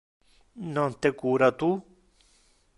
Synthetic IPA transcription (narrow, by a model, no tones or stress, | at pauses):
nõnt̪ekuɾat̪u